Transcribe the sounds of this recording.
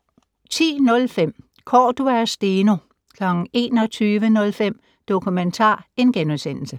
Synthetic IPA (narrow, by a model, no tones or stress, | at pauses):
t͡sʰḭːnɔ̽lfem̰ | kʰɒ̰ːd̥uæɐsd̥eːno | kʰlɒɡ̥n̩e̝̰ːnɒ̽t͡sʰyːʋənɔ̽lfem̰ | d̥o̝kʰument͡sʰɑ̰̈ːe̝nɡ̥enusen̰l̩sə